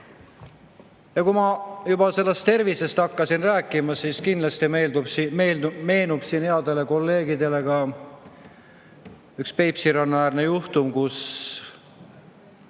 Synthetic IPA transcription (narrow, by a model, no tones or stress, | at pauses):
jɑkumɑjubɑse̞lːest̪e̞rvise̞st̪ɑkːɑsinræːkːˑimɑsiːskind̪lɑst̪imeːld̪ubimemeːnub̥siːnheɑld̪ele̞ko̞lːe̞ːɡid̪e̞le̞ɡ̥ɑ | ykspe̞jpsiɾɑnːɑæːrnejuht̪umkus